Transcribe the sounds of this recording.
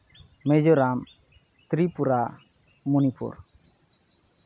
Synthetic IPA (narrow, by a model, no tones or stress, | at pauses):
mɛd͡ʒɔɾam | t̪ɾipuɾa | munipṵɾ